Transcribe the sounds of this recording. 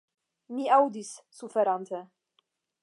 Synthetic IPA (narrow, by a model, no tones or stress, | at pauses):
miawd̪isːufɛɾant̪ɛ